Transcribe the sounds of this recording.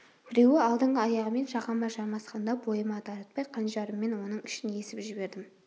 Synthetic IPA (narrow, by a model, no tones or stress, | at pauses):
b̥ɪɾe̞wɪɑlˠd̪əɴʁəɑjɑʁəme̞nʃɑʁɑmɑʒɑɾmɑsqɑnd̪ɑbo̞jəmɑt̪ʰɑɾɑt̪̚pɑjqʰɑnʒɑɾəmːe̞nwo̞nəɴɪʃɪne̞sɪpʒɪbe̞ɾd̪ɪm